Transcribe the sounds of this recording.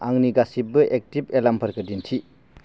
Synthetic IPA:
aŋniɡasibɯʔek̚tibelampʰɐɾkɯdintʰi

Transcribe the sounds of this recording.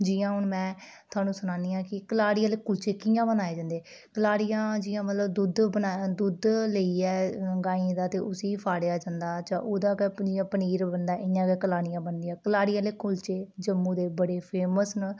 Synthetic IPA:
d͡ʒɪjãːɦʊɳmɛ̃ːt̪ʰʊaːnũːsʊnãːniːãːkɪkəlaːɽɪjãːleːkʊlt͡ʃeːkɪjãːbənaːeːd͡ʒãːnd̪eː | kəlaːɽɪjãːd͡ʒɪːãːmət̪ləbd̪ʊd̪bənaːd̪ʊd̪ləiːɛːɡaːĩd̪aːt̪eːʔʊsiːpʰaːɽjaːd͡ʒãːnd̪aːt͡ʃãːʔoːd̪ãːɡɛːd͡ʒɪjãːpəniːɾbənd̪aːʔɪjãːɡɛːkəlaːɽɪjãːbənd̪ijãːkəlaːɽɪjãːleːkʊlt͡ʃeːd͡ʒəmːũːd̪eːbəɽeːpʰeːməsn

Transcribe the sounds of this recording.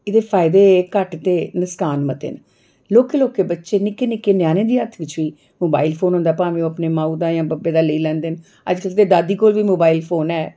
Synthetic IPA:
ɪd̪eːpʰaːɪd̪eːkəʈt̪eːnəskaːnmət̪ḛːn | loːkeːloːkeːbətːʃeːnɪkeːnɪkːeːnɪjaːnẽːd̪iːət̪ʰʋɪt͡ʃʋiː | moːba̰ːiːlpʰoːnɦõːnd̪aːpaːʋẽːõːəpneːmãːuːd̪aːjãːbəbeːd̪aːləiːlɛ̃ːnd̪eːn | ə̰d͡ʒkəlt̪eːd̪aːd̪iːkoːlʋiːmoːbaːilpʰoːnɛː

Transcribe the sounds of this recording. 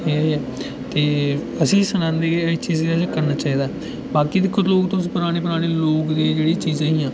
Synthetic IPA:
iːiɛː | t̪eː | əsĩːsənãːnd̪eːɡeːət͡ʃiːzskəɾnaːt͡ʃaːiːd̪aːɦɛ | baːkiːd̪ɪkʰːʊɾloːkt̪oʊsĩːpʊɾaːɽ̃eːp̬ʊɾaːɽ̃eːloːkd̪eːd͡ʒeːɽiːt͡ʃiːzãːiːãː

